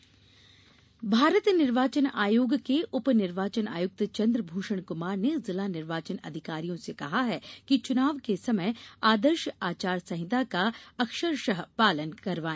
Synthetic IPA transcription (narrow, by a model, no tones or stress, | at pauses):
bʱaːɾət̪nɪɾʋaːt͡ʃəna̰ːjoːɡkeʔʊpnɪɾʋaːt͡ʃəna̰ːjʊk̚t̪t͡ʃɐ̃nd̪ɾəbʱuːʃəɽ̃kʊmaːɾnezɪlanɪɾʋaːt͡ʃənɐ̰d̪ʱɪkaːɾijõsekɐɦaɦɛːkit͡ʃʊnaːʋkesɐməjaːd̪əɾʃaːt͡ʃaːɾsɐ̃ɦɪt̪akaɐkʃəɾʃəɦpaːlənkɐɾʋaːẽː